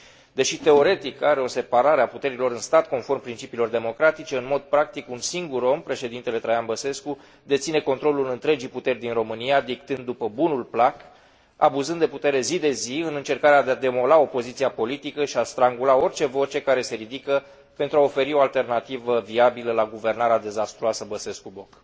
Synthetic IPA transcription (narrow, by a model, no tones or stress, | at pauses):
d̪e̞ʃit̪e̞o̞ɾe̞t̪ikaɾe̞o̞se̞paɾaɾeaput̪e̞ɾilo̞ɾɨnst̪at̪ko̞nfo̞rmpɾint͡ʃipiːlo̞rd̪e̞mo̞kɾat̪it͡ʃe̞ɨnmo̞d̪̚pɾak̚t̪ikunsiŋɡuɾo̞mpɾe̞ʃe̞d̪int̪e̞le̞t̪ɾajanbəse̞sku | d̪e̞t̪sine̞ko̞nt̪ɾo̞lulɨnt̪ɾe̞d͡ʒijput̪e̞rʲd̪inro̞mɨniad̪ik̚t̪ɨnd̪ːupəbunulplak | a̰buzɨnd̪e̞put̪e̞ɾe̞zid̪e̞ziɨnɨnt͡ʃe̞rkaɾead̪ead̪e̞mo̞lao̞po̞zit̪siapo̞lit̪ikəʃiast̪ɾaŋɡulao̞rt͡ʃe̞vo̞t͡ʃe̞kaɾe̞se̞ɾid̪ikə | pe̞nt̪ɾuao̞fe̞ɾio̞alt̪e̞rnat̪ivəviabiləlaɡuve̞rnaɾead̪e̞zast̪ɾuasəbəse̞skubo̞k